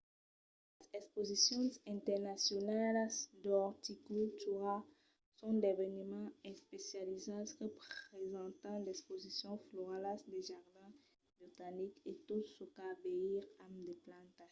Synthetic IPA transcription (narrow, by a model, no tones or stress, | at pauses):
l | ezɛkspozisjɔ̃zɛ̃t̪ɛʁnasjɔnalsd̪ɔʁt̪ikylt̪uʁa | sɔ̃d̪evenymɑ̃ɛspesjalizasʁepχezɑ̃t̪ɑ̃d̪ɛkspozisjɔ̃floʁalasd̪eʒaʁd̪ɛ̃ | bʁit̪aniket̪usokabeiʁamd̪eplɑ̃t̪a